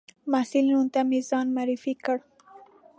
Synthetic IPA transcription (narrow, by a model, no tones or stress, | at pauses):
masilinunt̪amezɑnmaɾɪfikəɽ